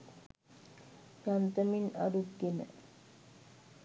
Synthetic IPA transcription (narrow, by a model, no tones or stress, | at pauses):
jant̪əmina̰ɾutɡenə̰